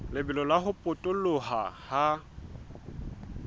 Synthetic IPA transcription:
lɪbɛlɔlaɦʊpʼʊtʼʊlʊɦa̰ha

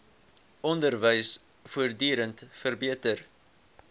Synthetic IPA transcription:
ɔndərvəjs | fuərdyːɾəntfərbiətər

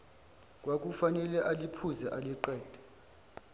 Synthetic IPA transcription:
kʼwak̬ʼufanɛlɛʔalipʰuzɛʔaliǃɛːd̥ʱɛ̥

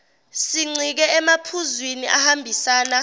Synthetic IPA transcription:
siŋ͡ǀʱik̬ɛɛmapʰuzwiniʔahambʱisaːna

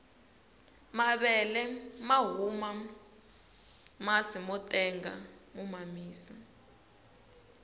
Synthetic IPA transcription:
maɓɛlɛmaɦuma | masimɔtʼɛŋɡa̰mumamiːsa

